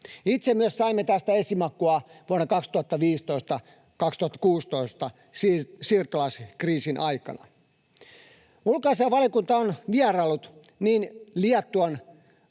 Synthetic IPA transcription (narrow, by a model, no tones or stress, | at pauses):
it̪semmyøssɑimːet̪æst̪æesimɑkːuɑʋuonːɑkɑkst̪uhɑt̪ːɑʋiːst̪oist̪ɑ | kɑkst̪uhɑt̪ːɑ̥kuːst̪oist̪ɑ | ssiːrt̪olɑskriːsinʔɑijkɑ̰nɑ̰ | ulkɑiseɑʋɑljɑkunt̪ɑonʋiærɑlːut̪ | niːnliɛt̪ːuɑn